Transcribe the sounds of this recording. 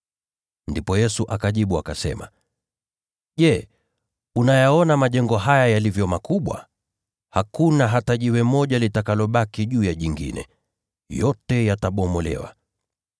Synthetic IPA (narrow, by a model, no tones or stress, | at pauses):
ndipɔjɛsuʔakaʄiɓuakasɛ̰ma | ʄɛ | unajaɔnamaʄɛŋɡɔɦajajalivjɔmakuɓwa̰ | hakunaɦataʄiwɛmɔʄalitakalɔɓakiʄuːjaʄiŋɡḭnɛ̰ | jɔtɛjataɓɔmɔlɛ̰wa̰